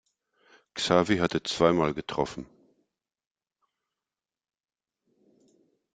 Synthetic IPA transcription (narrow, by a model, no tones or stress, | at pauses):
ksaːviɦatət͡sv̥aɪmaːlɡətʁ̥ɔfn̩